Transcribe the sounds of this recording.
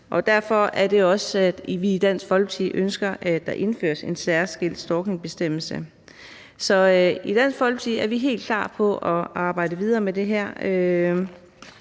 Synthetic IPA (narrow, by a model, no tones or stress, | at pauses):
ʔɒ̽d̥æɐ̰fɒ̽æɐd̥e̝ɒ̽sæd̥ʋiːd̥æn̰sɡ̥fɒ̽lɡ̥ət͡sʰḭðˠʔønsɡ̥ɐʔæd̥ɑ̈ʔe̝nfø̰ːɐse̝nsæɐsɡ̥el̰d̥sd̥ɒːkne̝ŋb̥e̝sd̥em̰l̩sə | sɒ̽id̥æn̰sɡ̥fɒ̽lb̥ət͡sʰiðˠæɐʋiɦe̝̰ːld̥kʰlɑ̰̈ːpʰɒ̽ʔɒɑ̈ːb̥ɑ̈ɪ̰dəʋið̞ˠɐːmed̥e̝ɦæɐ̰ø